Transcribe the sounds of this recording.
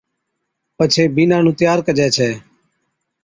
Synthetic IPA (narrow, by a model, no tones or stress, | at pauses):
pət͡ʃʰeːbiːnãːnũːt̪ɪjaːɾkəd͡ʒɛːt͡ʃʰɛː